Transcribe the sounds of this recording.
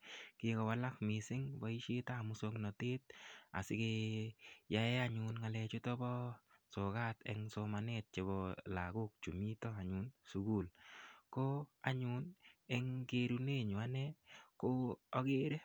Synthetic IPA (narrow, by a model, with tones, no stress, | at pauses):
kɪ˨kɔ˨wa˨la˦kmɪ˨sɪ˦ŋbɔ˨i˦ʃe˦ta˦˨mʊ˦so˦ŋnɔ˨te˦t̪̚a̰˨sɪ˦ke˧ | ja˦jɛ˦aɲʊ˨nŋa˨lɛ˧t͡ʃʊ˦tɔ˦bɔ˦so˨ka˦tɛ̰ŋsoma˨net̚t͡ʃe˨bɔ˧la˨ɡʊ˦k̚t͡ʃu˨mi˦tɔ˦a˨ɲu˨nsu˨ɡu˦˨lko˦a˨ɲu˦nɛ˦ŋɡe˦ɾu˦ne˦ɲʊ˨a˦nɛko˦ɔ˦ɡe˦ɾɛ˦